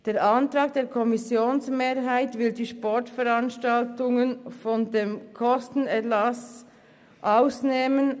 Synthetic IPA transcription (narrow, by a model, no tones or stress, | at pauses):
d̥eːɾʔantʁɑːɡ̚d̥eːɾkʰɔmɪsjoːnsmeːɐɦaɪtvɪldiːʃpɔɹtfɛɾanʃtaltʊŋənfɔndeːmkʰɔstn̩ɛlas | ʔaʊsneːmən